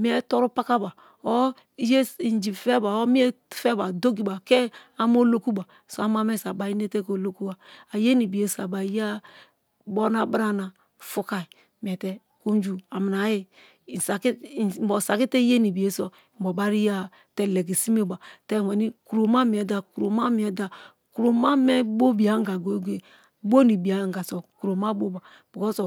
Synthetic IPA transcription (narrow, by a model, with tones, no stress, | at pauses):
mi˦ɛ˦to˦ɾu˦pa˦ka˦ba˨ | o˦ | je˦i˨n˨d͡ʒi˨fe˦ba˨o˦mi˦e˦tfe˦ba˨do˦ɡi˨ba˨ke˦a˦m˦o˦lo˦ku˦ba˨ | so˦a˦m˦a˦m˦e˦sa˨ba˨i˦ne˦te˦ko˨lo˦ku˦ba˨a˨je˦ni˨bi˨e˨˦sa˨ba˨i˦ja˦ | bo˦na˦bɾa˦na˨ | fu˦ka˨i˨ | m˨ɛ˨tɛ˦ | ko˦n˦d͡ʒu˦a˨mi˨n˨a˨˦ji˦˨ | sa˨kbɔ˨sa˨ki˦te˦je˦ni˨bi˨e˦sɔ˨bo˨ba˦ɾi˦ja˦ | tɛ˦le˨ɡe˨si˦me˦˨ba˨tɛ˦˨wɛ˨ni˦ku˨ɾo˨ma˦mi˨ɛ˨da˨ku˨ɾo˨ma˦mi˨ɛ˨da˨ | ku˨ɾo˨ma˦mɛ˦bo˦bi˨a˨ŋ˦ɡa˨ɡo˨˦ɡʷe˨ | bo˦ni˨bi˨a˨˦ŋ˨ɡa˨sɔ˨ku˨ɾo˨ma˦bo˦ba˨ | b̥i˨ko˦so˨